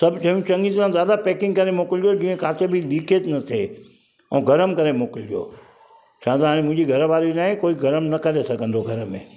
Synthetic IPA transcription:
sɐbt͡ɕɐɦijũt͡ɕɐ̃ŋɡit̪ɾãzjaːd̪apeːkɪ̃ŋɡkɐɾemoːkɪld͡ʒijod͡ʑiːə̃kaːt̪ebʱɪliːkʰet̪nɐt̪ʰe | ɛ̃ːɡɐɾəmkɐɾemoːkɪld͡ʒijo̰ː | t͡ɕʰãːt̪aaːɽẽmʊ̃ɦɪ̃ɲd͡ʑiɡʱɐɾəʋaːɾinaːɦẽkoːiɡɐɾəmnɐkɐɾesɐɡʱə̃nd̪oɡʱɐɾəmḛ̃ː

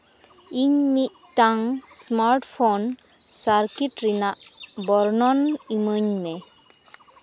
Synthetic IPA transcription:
iɲmit̪̚taŋsmaɾʈpʰon | saɾkiʈɾinaʔbɔɾnɔniməɲmɛ

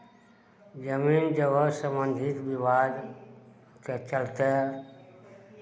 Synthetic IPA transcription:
d͡ʒəmiːnd͡ʒəʋəsəmbə̃nd̪ʱɪt̪ʋiʋaːd̪ | k̪et͡ʃəlt̪e

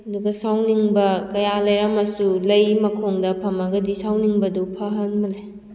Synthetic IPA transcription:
ɐduɡɐsawniŋbɐkɐjalɐjɾɐmɐsulɐjmɐkʰoŋdɐpʰɐmɐɡɐdisawniŋbɐdupʰɐɦɐnmɐle

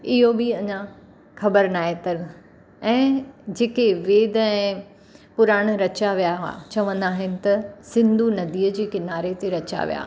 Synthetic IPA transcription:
ɪɦobɪɐɲã | xɐbəɾnaːɦet̪ɐɾ | ɛ̃ːd͡ʑeːkeʋeːd̪ɛ̃ː | pʊɾaːɽ̃ɾɐt͡ɕaʋijaɦa̰t͡ɕɐʋə̃nd̪aːɦɪnɪ̆t̪ɐsɪ̃nd̪ʱunɐd̪iːəd͡ʑiːkɪnaːɾet̪eɾɐt͡ɕa̰ʋḭja̰ː

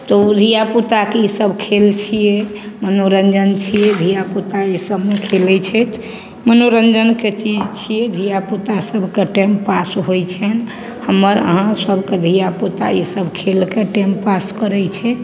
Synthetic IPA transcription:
t̪od̪ʱijaput̪akeisəbʱkʰelt͡ʃʰijemənoɾənd͡ʒənt͡ʃʰijed̪ʱijaput̪aisəbmekʰelɛt͡ʃʰɛt̪ | mənoɾənd͡ʒənket͡ʃid͡ʒt͡ʃʰijed̪ʱijaput̪asəbʱkeʈempasɦojt͡ʃʰɛn | həmːəɾə̰ɦãsəbʱked̪ʱijaput̪a̰isəbʱkʰelkeʈempaskəɾɛt͡ʃʰɛ

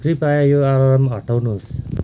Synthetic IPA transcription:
kripajajoaɾʌɾʌmɦʌʈawnuɦs

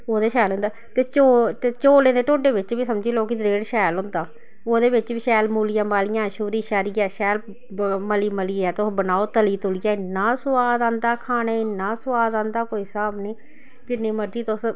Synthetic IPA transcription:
oːd̪eːʃɛːlʊ̃nd̪aːt̪eːt͡ʃoːt̪eːt͡ʃoːlẽːd̪eːʈoːɖeːʋɪt͡ʃʋiːsəmd͡ʒiːloːkid̪ɾeːɽʃɛːlɦʊ̃nd̪aː | oːd̪eːβɪt͡ʃbiːʃɛːlmuːlijãːmaːlijãːʃuːɾiːʃaːɾiːɛːʃɛːl | məliːməliːɛːt̪bənaːoːt̪əliːt̪ʊlijaːɪnːãːsʊwaːd̪ãːnd̪aːkʰaːneːɪnːaːsʊaːd̪ãːnd̪aːkoːiːsaːbniː | d͡ʒɪnːẽːməɖiːt̪ʊs

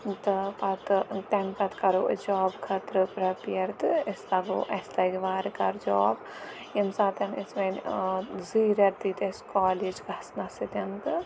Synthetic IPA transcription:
t̪ɨpɐt̪ɨt̪ɐmkɐt̪kɐɾuʔd͡ʒɔːbkʰɐt̪ɾɨpɾɐpjɐɾt̪ɨest̪ɐɡo̰ʔɐsʲt̪ɐɡiʋaːɾkɐɾd͡ʒɔːb | jɐmsaːt̪ɐnesʋɐnʲziɾɐɾt̪ːit̪eskɔːliːd͡ʒɡɐsnasit̪ɐnt̪ɨ

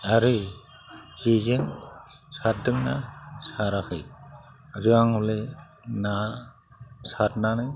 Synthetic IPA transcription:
aɾɯ | zezen | sat̚dɯŋnasaɾakʰɯ̰j | azɯaŋhɔle | na | satnanɯj

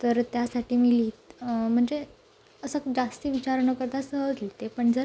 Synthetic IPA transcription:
t̪əɾt̪jasaʈiːmiliːt̪m̤əɳd͡ze | əsəkd͡zast̪iːʋit͡ɕaɾɳəkəɾt̪asəɦəd͡zlit̪epəɳd͡zəɾ

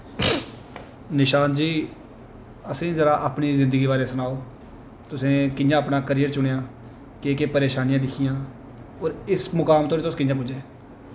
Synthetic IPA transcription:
nɪʃaːnd͡ʒiː | əsẽːzəɾaːʔaːpniːzɪ̃nd̪əɡiːbaːɾeːsʊnaːoː | t̪ʊsẽːkɪnd͡ʒãːəpnaːkəɾiːjəɾt͡ʃʊɽejãː | keːkeːpəɾeːʃaːnɪjãːd̪ɪkʰijãː | ɔːɾɪsmʊkaːmt̪ʰõːt̪oʊskɪnd͡ʒãːp̬ʊd͡ʒeː

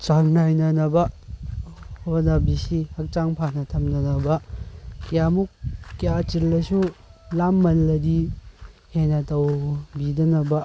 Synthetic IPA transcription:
t͡ʃaŋnajnɐnɐbɐ | honabisihɐk̚t͡ʃaŋpʰanɐtʰɐmnɐnɐbɐkijamukːijat͡ʃilːɐsulamːɐlːɐdi | henɐtɐwbidɐnɐbɐ

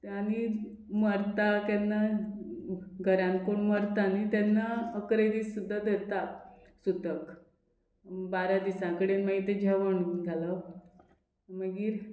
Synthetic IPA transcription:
añi | məɾt̪at̪janːa | ɡʱəɾãn̚koɳməɾt̪anit̪janːaəkɾed̪iːsːud̪ʱːad̪et̪a | sut̪ək | baɾad̪isãkəɽenmaɦit̪ed͡ʑʱɛʋəɳɡʱalə | məɡiːɾ

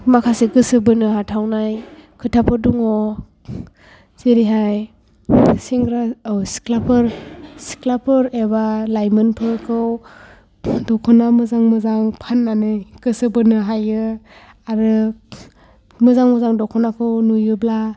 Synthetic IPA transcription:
makʰasiɡɯsɯbɯnɯɦatʰawnajkʰɯtʰapʰɯduŋɔ | zeɾiɦaj | siŋɡɾaɯsi̥kʰlapʰɯɾsi̥klapʰɯɾebalajmɯnpʰɯɾkʰɯw | dɔkʰɔnamɯzaŋmɯzaŋpʰanːanɯjɡ̥ɯsɯbɯnɯɦajɯ | aɾɯ | mɯzaŋmɯzaŋdɔkʰɔnakʰɯwnujɯbla

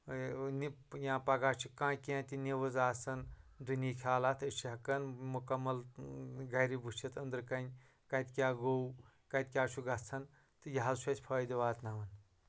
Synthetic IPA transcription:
ni | jãːpɐɡaːt͡ʃʰukãːkʲẽːt̪ʲiniʋɨzaːsɐnd̪uniːkʲʰaːlaːt̪ʰɨt͡ʃʰiɦɐkɐnmukɐmːɐlɡɐɾibut͡ʃʰit̪ʰɐnd̪ɾkɐnʲ | kɐt̪kʲaːɡow | kɐt̪̚ʲkʲaːt͡ʃʰuɡɐt͡sʰɐn | t̪ɨjɐɦɐlswɐsʲpʰɐːjd̪ɐʋaːt̪naːʋɐn

